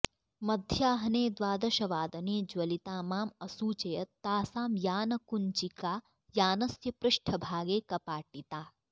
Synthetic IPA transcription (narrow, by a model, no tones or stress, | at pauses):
mɐd̪ʱjaːɦɐneːd̪ʋaːd̪ɐʃɐʋaːd̪ɐneːd͡ʒʋɐlit̪aːmaːmɐsuːt͡ʃɐjɐt̪aːsaːmjaːnɐkunt͡ʃikaː | jaːnɐsjɐpɾʊʃʈʰɐbʱaːɡeːkɐpaːʈit̪aː